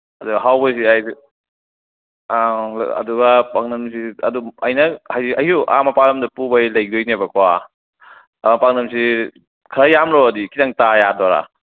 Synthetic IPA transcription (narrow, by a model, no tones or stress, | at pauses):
ɐduɡɐɦawbajs̬iaj | ɐ̰duɡapaŋnɐmsiɐ̰duɐjnɐhajiɐjhuʔa̰mɐpalɐmdɐpubajlɐjdojnebɐkʰwa | mapaŋnɐmsi | kʰɐɾajamɾoɐdikʰitaŋtajadɔɾa̰